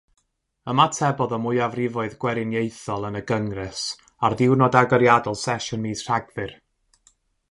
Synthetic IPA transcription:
əmatʰɛbɔðɔmʊjavrɪvɔɨðɡwɛɾɪnjejθɔlˠənəɡəŋrɛs | arðɪwnɔdaɡəɾjadɔlˠsɛʃʊnmiːsr̥aɡvɨr

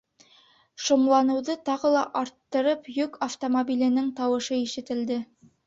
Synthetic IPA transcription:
ʃŏmlˠɑnɤ̆wðɤt̪ɑʁɤlˠɑʔɑɾt̪ːɤ̆ɾɤpjɵkaft̪omobʲilɘ̆nɘŋt̪ɑwɤ̆ʃɤiʃɘ̆t̪ɘ̆ld̪ɘ

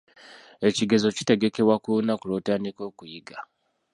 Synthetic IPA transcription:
et͡ʃiɡezot͡ʃi̥teɡekewakunakuɾotanikokujiɡa

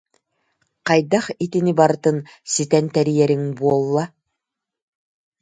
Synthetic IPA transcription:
qɑjd̪ɑχit̪inibɑɾɯt̪ɯnsit̪ɛnt̪æɾijɛɾiŋbuɔlˠːɑ

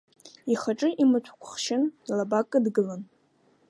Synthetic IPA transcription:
iχaʈ͡ʂʼɨʔimɨt͡ʃʷʰkʷʰʊχʃɪnilabakʼɨdɡɨlan

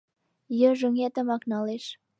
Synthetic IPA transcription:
jə̆ʒuŋet̪ə̆mɑknɑleʃ

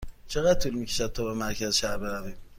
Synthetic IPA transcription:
t͡ʃʰeɣæd̪̚t̪ʰulmikʰʲe̥ʃad̪̚t̪ʰɔbemæɾkʰæzʃaɾbeɾavim

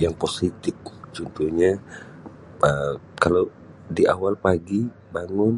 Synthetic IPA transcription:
jaŋposit̪ɪf̚t͡ʃunt̪uhɲa | ə | kalo | diʔa̰walpaɡi | baŋʊn

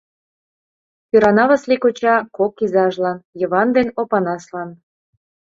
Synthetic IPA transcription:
piɾɑnɑβəslikot͡ɕɑkokːizɑʒlɑnjə̆βɑnd̪enopɑnɑslɑn

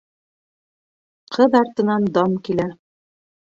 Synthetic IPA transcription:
qʰɤðɑɾt̪ɤ̆nɑnd̪ɑmkilæ

